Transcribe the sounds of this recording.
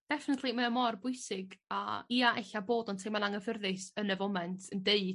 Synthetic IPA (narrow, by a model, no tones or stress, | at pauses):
d̥ɛfɪnətʰlˠimɛəmɔrbʊɨsɪɡa̰iaʔɛɬaboːdɔntʰejmanaŋəvərðɨsənəvɔmɛntʰəndeɨ